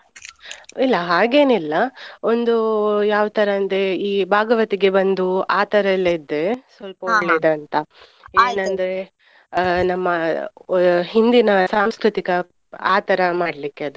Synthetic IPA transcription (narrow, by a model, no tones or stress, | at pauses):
ilːɐɦaːɡe̞ːnilːɐo̞nd̪ujaːʋt̪ɐɾɐːnd̪eiːbʱaːɡɐʋɐt̪iɡe̞bɐnd̪uaːt̪ɐɾɐlːeid̪ːesʋɐlpɐoɡleːd̪eɐːnt̪ɐ | eːnɐnd̪ɐɾe̞ | nɐmːɐ | ɦind̪inɐsaːmskɾit̪ikɐ | aːt̪ɐɾɐmaːɽlikːeɐd̪u